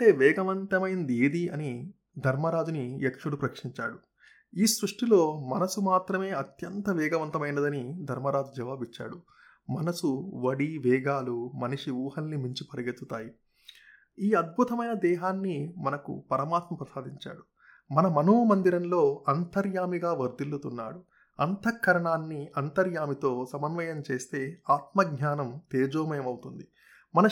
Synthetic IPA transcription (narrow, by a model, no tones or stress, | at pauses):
ɐɳʈe̞ːʋɛːɡɐʋɐnt̪ɐmɐjind̪ieːd̪iɐni | d̪ʱɐɾmɐɾaːd͡ʒuniekʂuɽupɾɐkʂiɲt͡ʃa̰ːɽu | iːsɾuʂʈilo̞ːmɐnɐsumaːt̪ɾɐme̞ːɐt̪jɐnt̪ɐʋɛːɡɐʋɐnt̪ɐmɐjnɐd̪ɐnid̪ʱɐɾmɐɾaːd͡ʒud͡ʒɐʋaːbit͡ʃːa̰ːɽu | mɐnɐsuʋɐɽiʋɛːɡaːlumɐniʂiuːhɐlːimiɲt͡ʃipɐɾiɡet̪ːut̪aːji | iːɐd̪̚bʱut̪ɐmɐjnɐd̪ɛːɦaːnːimɐnɐkṵpɐɾɐmaːt̪mɐmpɾɐsaːd̪iɲt͡ʃa̰ːɽu | mɐnɐmɐnoːmɐnd̪iɾɐnlo̞ːɐnt̪ɐɾjaːmiɡaːʋɐɾd̪ilut̪unːa̰ːɽu | ɐnt̪ɐkʃɐɾɐɳaːnːiɐnt̪ɐɾjaːmit̪o̞ːsɐmɐnʋɐjɐmt͡ʃe̞ːst̪e̞ːaːt̪̚mɐɡɲaːnɐmt̪eːd͡ʒoːmɐjɐmɐwut̪und̪i | mɐnɐ